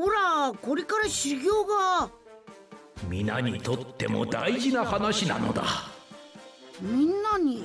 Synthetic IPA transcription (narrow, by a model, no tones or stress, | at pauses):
hoɾako̞ɾe̞kaɾaɕiɡʲoːɡa | mʲina̰ɲ̟it̪o̞t̪ːe̞̰mo̞̰d̪a̰iʑinahanaɕina̰no̞̰d̪a̰ | mʲĩnːaɲ̟i